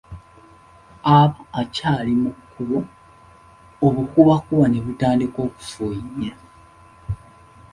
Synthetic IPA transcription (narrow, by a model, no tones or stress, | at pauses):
aβaːcalimukʰːuβo | βukuβakuβaneβutaːndiko̞ːku̥fuiɲːe